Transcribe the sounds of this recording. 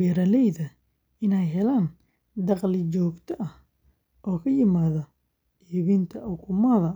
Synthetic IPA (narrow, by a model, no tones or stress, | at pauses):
ɛɾɐlɛjðɐ | ɪnɛjɦɛlaːn | d̪ɑqlɪt͡ʃɔːɡt̪ʰɔʔɐh | ʔɔːkʰɐjɪmaːðɐ | iːβint̪ʰɐʔʊkʰʊmɐðɐ